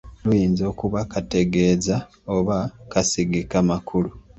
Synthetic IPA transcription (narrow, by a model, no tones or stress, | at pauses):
lujiːnzo̞ːkuβakʰate̞ɡe̞ːza | oβakasiɡikamakʰulu